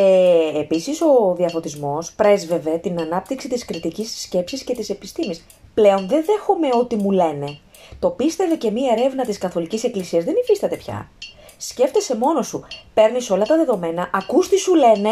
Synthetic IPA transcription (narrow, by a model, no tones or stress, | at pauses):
eːpisiso̞ðiɐfo̞t̪izmo̞spɾe̞zve̞ve̞t̪inɐnɐp̚t̪iksit̪iskɾit̪icisːce̞psisce̞t̪ise̞pist̪imis | ple̞o̞nðenðe̞xome̞o̞t̪imule̞ne̞ | t̪o̞pist̪e̞vece̞mie̞ɾe̞vnɐt̪iskɐθo̞licise̞klisiɐzðenifist̪ɐt̪e̞pçɐ̰ | sce̞ft̪ese̞mo̞no̞supe̞ɾniso̞lɐt̪ɐðe̞ðo̞me̞nɐʔɐkust̪isule̞ne̞